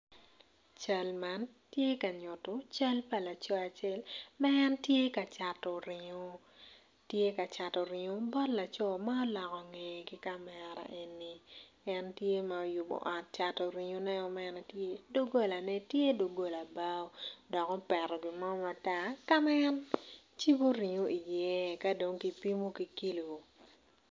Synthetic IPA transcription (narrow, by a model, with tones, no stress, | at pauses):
t͡ʃa˦lma˦n | tje˦ka˨ɲʊ˨to˦t͡ʃa˦lpa˨la˨t͡ʃɔ˦a˨t͡ʃe˦lmɛː˦ntje˦ka˨t͡ʃa˨to˨ɾɪ˨ɲo˦ | tje˦ka˨t͡ʃa˨to˨ɾɪ˨ɲo˦bɔ˦tla˨t͡ʃɔ˦ma˦ɔ˦lɔ˨kɔ˨ŋe˨ɡi˦ka˦mɛ˨ɾa̰˨ʔe˨nːi˨ | ɛ˦ntje˦ma˨ɔ˨jʊ˨bɔ̰˨ʔɔ˨t̚t͡ʃa˨to˨ɾi˨ɲo˦nɛ˦ɔ˨mɛ˦nɛ˨tje˦do˦ɡo˦˨la˨nɛ˦tje˦do˨ɡo˦la˨ba˦o˦dɔ˨kɔ˦pɛ˨ɾɔ˨ɡɪ˨mɔ˦ma˨ta˦˨ka˦mɛ˦ɛ˦n | t͡ʃi˦bo˦ɾi˨ɲo˦ʔi˨jɛ˦ka˦do˨ŋki˨pi˦mo˦ki˨ki˦lo˨o˨